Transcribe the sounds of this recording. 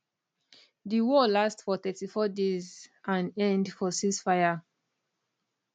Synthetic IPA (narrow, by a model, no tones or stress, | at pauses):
diwɔlastfɔθɛtifɔdezʔãnɛ̃ndfɔsisfaɪa